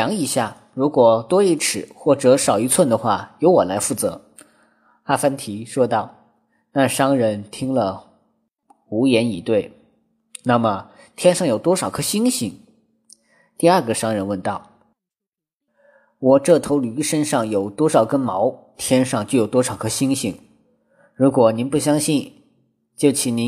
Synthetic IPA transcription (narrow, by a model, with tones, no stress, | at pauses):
ɑ˧˥ŋi˧˥ɕja˥˩ | ɻu˧˥kwɔ˨˩t̪wɔ˥i˥˩ʈ͡ʂʰɻ̩˨˩xwɔ˥˩ʈ͡ʂɤ˧˥ʂɑ˨˩ʊi˧˥t͡sʰwə˥˩nd̪ə˩xwa̰˥˩jo˧˥ʊwɔ˨˩la˧˥ɪfu˥˩t͡sɤ̰˧˥ | a˥fa˥nt̪ʰi˧˥ʂwɔ˥t̪ɑ˥˩ʊ | na˥˩ʂɑ˥ŋɻə˧˥nt̪ʰi˥ŋlə˨ | u˧˥jɛ˧˥ni˨˩t̪we˥˩ɪ | na˥˩mə˩ | t̪ʰjɛ˥nʂɑ˥˩ŋjo˨˩ʊt̪wɔ˥ʂɑ˨˩ʊkʰɤ˧˥ɕi˥ŋɕi˧˥ŋ | t̪i˥˧a˞˥˩ɡə˩ʂɑ˥ŋɻə˧˥nwə˥˧nt̪ɑ˥˩ʊ | wɔ˨˩ʈ͡ʂɤ˥˩t̪ʰo˧˥ʊly˧˥ʂə˥nʂɑ˥˩ŋjo˨˩ʊt̪wɔ˥ʂɑ˨˩ʊkə˥nmɑ˧˥ʊ | t̪ʰjɛ˥nʂɑ˥˧ŋt͡ɕjo˥˩ʊjʊt̪wɔ˥ʂɑ˨˩ʊkʰɤ˧˥ɕi˥ŋɕi˧˥˩ŋ | ɻu˧˥kwɔ˨˩ni˧˥npu˥˩ɕjɑ˥ŋɕi˥˧n | t͡ɕjo˥˩ʊt͡ɕʰi˧˩ni˧˥